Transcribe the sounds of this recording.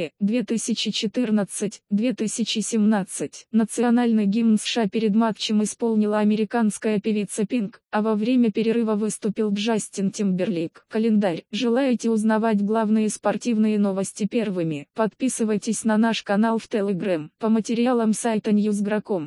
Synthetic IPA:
d̪vʲet̪ɨsʲɪt͡ɕɪt͡ɕɪt̪ɨrnət̪sɨtʲd̪vʲe̞t̪ɨsʲɪt͡ɕɪsʲɪmnat̪sɨtʲnət̪sɨɐnalʲnɨjɡʲimnsʂapʲɪɾʲɪd̪mak̪t͡ɕɪmɪspo̞lˠnʲɪlˠəɐmʲɪɾʲɪkanskəjəpʲɪvʲit̪səpʲinkɐvɐvɾʲemʲəpʲɪɾʲɪɾɨvəvɨst̪ʊpʲilˠɡʐasʲtʲɪntʲɪmbʲɪrlʲikkəlʲɪnd̪aɾʲʐɨlˠajɪtʲɪʊznɐvatʲɡlˠavnɨjəspɐrtʲivnɨjəno̞vəsʲtʲɪpʲe̞rvɨmʲɪpɐt̪pʲisɨvəjtʲɪsʲnɐnaʂkɐnalˠft̪ɛlʲɛɡɾampəmətʲɪɾʲɪalˠəmsajt̪ənʲjuzɡɾɐkom

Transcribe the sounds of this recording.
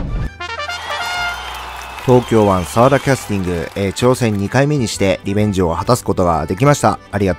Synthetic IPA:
t̪o̞ːkʲo̞ːβãɰ̃saβad̪akʲasɨ̥t̪ʲĩŋɡɯ̟et͡ɕo̞ːsẽ̞ɲ̟ːikaime̞ɲ̟iɕi̥t̪e̞ɾʲibẽ̞ɲ̟d͡ʑio̞hat̪asɨ̥ko̞t̪o̞ɡa̰d̪e̞kʲimaɕi̥t̪a̰ːɾʲiɡat̪

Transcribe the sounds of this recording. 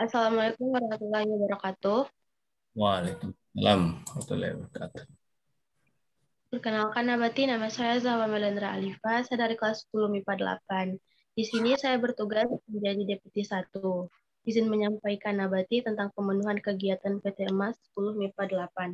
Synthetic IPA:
ʔasalamalakʊmaɾaat̪ulahjabaɾakat̪ʊh | walekumsalama̰t̪ṵla̰bəɾka̰t̪ʊ̥ | pərkənalkanːabat̪inamasajazawamelɛndɾaalifasajadaɾikəlasə̥pulʊhmipadəla̰pan | d̥isinisajabərt̪uɡasməɲd͡ʒadideput̪isat̪u | izɪnməɲampaikanabat̪it̪ənt̪aŋpəmənuɦankəɡiat̪anpet̪eəmasə̥pulʊhmipadəlapan

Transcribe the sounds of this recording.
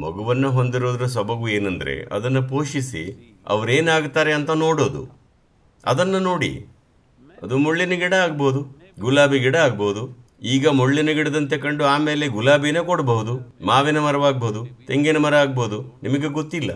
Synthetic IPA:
mɐ̰ɡuʋɐnːuɦo̞nd̪iɾoːd̪ɐɾɐs̬ɐbɐɡue̞ːnɐnd̪ɐ̰ɾe̞̰ʔɐ̰d̪ɐnːɐpoːʃisḭ | ɐ̰ʋɐɾeːnaːɡt̪aːɾeɐnt̪ɐnoːɽoːd̪ṵ | ɐ̰d̪ɐnːɐno̞ːɽḭ | ɐd̪umoɭːinɐɡiɽɐaːɡɐbɐɦud̪u | ɡulaːbiɡiɽɐaːɡɐbɐud̪u | iːɡɐmoɭːinɐɡiɽd̪ɐnt̪̬e̞kɐɳɖuaːme̞ːleɡulaːbijɐneːkoɽɐbɐɦud̪umaːʋinɐmɐɾɐʋaːɡɐbɐud̪ut̪e̞ŋɡenɐmɐɾɐaːɡbɐɦud̪unimɐɡe̞ɡot̪ːilːɐ̰

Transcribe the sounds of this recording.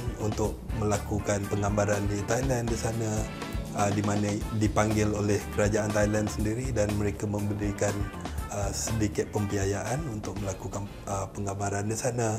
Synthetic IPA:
nunt̪ʊk̚məlakukanpəŋambaɾandit̪ajlandisana | ədimanadipaŋɡɪlolɛhkəɾad͡ʒaʔant̪ajlandsəndiɾidanməɾekamə̃mbəɾikanəsədikɪt̪̚pəmpiajaʔanunt̪ʊk̚məlakukan | əpəŋambaɾandisana

